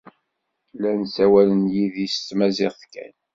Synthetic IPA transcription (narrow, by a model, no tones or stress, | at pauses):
lænsæwælənjiðist̪ːmæzɪʁθkæ̰n